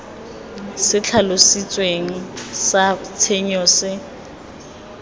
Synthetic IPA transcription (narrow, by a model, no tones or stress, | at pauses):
sɪt͡ɬʰalosit͡sʼweŋ̩sat͡sʰeɲɔsɪ